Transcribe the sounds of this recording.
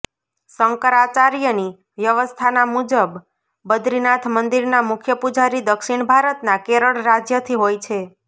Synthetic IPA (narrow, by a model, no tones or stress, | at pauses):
səŋkəɾat͡ʃaɾjəni | ʋjəʋəst̪ʰanamud͡ʒəbː | əd̪ɾinat̪ʰmənd̪iɾnamʊkʰjəpud͡ʒaɾid̪əkʃiɳbʱaɾət̪nakeɾəɭɾad͡ʒjət̪ʰiɦojt͡ʃʰe